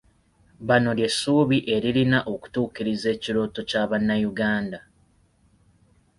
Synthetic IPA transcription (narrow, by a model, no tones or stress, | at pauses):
βano̞lje̞suːβiʔe̞ɾiɾinaʔo̞ku̥tuːkiɾize̞ːciɾo̞ːto̞caβanːajuɡaːnda